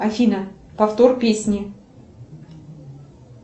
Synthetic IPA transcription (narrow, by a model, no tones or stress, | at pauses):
ɐfʲinə | pɐft̪orpʲesʲnʲɪ